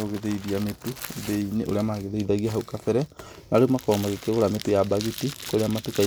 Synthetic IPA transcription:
oɣeðeiðiametuðeiniʔo̰ɾeamaɣeðeiðaɣiaɦaukafɛɾɛ | naɾemakɔmaɣekeɣoɾametujabaɣitikoɾeamatuka

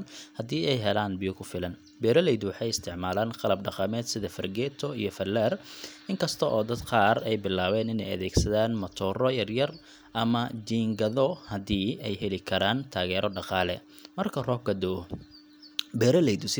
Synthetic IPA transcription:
nhɐd̪iːɛjɦɛlaːnbɪjɔkʰʊfɪlɐn | bɛːɾɐlɛjðʊwɑħɑjɪst̪ʰɪʕmaːlaːnqɑlɐb̚ɖɑqɑmɛːd̪sɪðɐfɐrɡɛːt̪ʰɔijɔfɐlɛːrɪŋkʰɐst̪ʰɔʔɔːd̪ɐd̪qɑːrɛjbɪlːaːβɛːnɪnɛjɐ̰ðɛːɡsɐðaːnmɐt̪ʰɔːrɔjɐrjɐr | ʔɐmɐd͡ʒiːŋɡɐðɔhɐðiːɛjɦɛlɪkʰɐɾaːnt̪ʰaːɣɛːɾɔɖɑqɑːlɛ̰ | mɐrkʰɐrɔːɡɐd̪ɔ | bɛːɾɐlɛjd̪ʊs

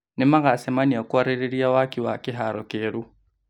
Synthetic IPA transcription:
nemaɣasɛmaniakwaɾeɾeɾiawakiwakeɦaɾɔkeːɾu

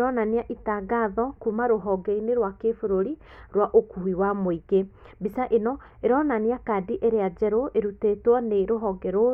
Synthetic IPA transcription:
ɾɔnaniaʔitaɡaðɔkumaɾoɦɔɡɛineɾwakefoɾoɾi | ɾwaʔokuhiwamoiɡe | bisaʔenɔ | eɾɔnaniakadiʔeɾead͡ʒɛɾoʔeɾutetwɔneɾoɦɔɡɛɾo

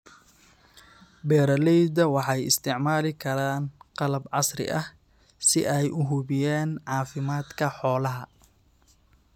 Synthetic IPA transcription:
bɛːɾɐlɛjd̪ɐwɑħɑjɪ̰st̪ʰɪʕmaːlɪkʰɐɾaːnqɑlɐbʕɑsrɪ̰ʔɐh | sɪ̰ʔɛjʔʊɦʊβɪjɛːnʕɑːfɪmaːd̪kʰɐħɔːlɐɦɐ

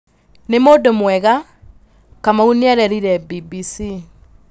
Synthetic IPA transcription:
nemodomwɛɣa | kamauneɛɾɛɾiɾɛbibisi

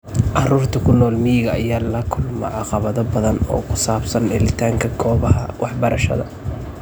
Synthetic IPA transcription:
ʔɑruːrt̪ʰɐkʰʊnɔːlmɪjɪɣɐːjaːlɐkʰʊlmɐ̰ʕɑqɑβɐðɔbɐðɐnɔ̰ːkʰʊsaːbsɐnɖɛlɪt̪ʰaːŋkʰɐɡɔːβɐɦɐ̰wɑħbɐɾɐʃɐ̰ðɐ̰

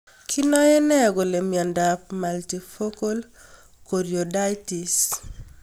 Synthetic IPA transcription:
kʰinɔjenɛɡolemjandapmaltifokol | koɾjodajtis

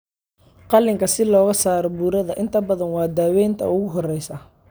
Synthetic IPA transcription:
qɑlːɪŋkʰɐsɪlɔːɣɐsaːɾɔbuɾɐðɐʔɪnt̪ʰɐbɐðɐnwɑːd̪aːwɛjnt̪ʰɐ̰ʊɣʊɦɔrɛjsɐ

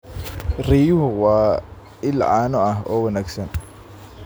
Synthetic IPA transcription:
rijʊɦʊwɑː | ɪlʕɑːnɔɐɦɔːwɐnaːɡsɐn

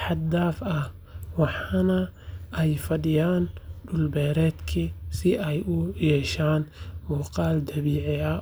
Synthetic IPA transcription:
ħɑd̪aːfɐh | wɑħɑnɐʔɛjfɐɖɪjaːnɖʊlbɛːɾɛːd̪kʰisɪʔɛjʊjɛːʃaːnmuːqɑːld̪ɐβiːʕɪɐ

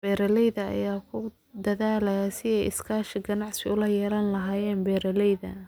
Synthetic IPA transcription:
b̥ɛːɾɐlɛjðɐɐ̰jaːkʰʊ | d̪ɐðaːlɐjɐsɪɛjɪ̰skʰaːʃɪɡɐnɑʕsɪʊlɐjɛːlɐnlɐɦaːjɛːnbɛːɾɐlɛjðɐ̰

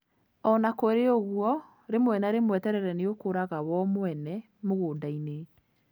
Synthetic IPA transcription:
ɔnakoeɾeoɣuɔ | ɾemowɛnaɾemwɛtɛɾɛɾɛneokoɾaɣawɔmwɛnɛ | moɣoːdaine

